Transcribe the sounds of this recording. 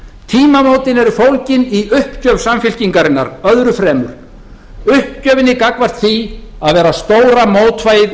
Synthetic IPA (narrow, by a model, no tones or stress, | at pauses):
t̪ʰiːmamowt̪ɪnɛɾʏfowlcɪniʏhpcœːv̥samfɪl̥ciŋkaɾɪnːa̰ɾœðɾʏfɾɛːmʏ̰ɾ̥ | ʏhp̚cœːvɪnːɪkakvar̥t̪θiaðvɛːɾast̪oːwɾamoːwt̪vajð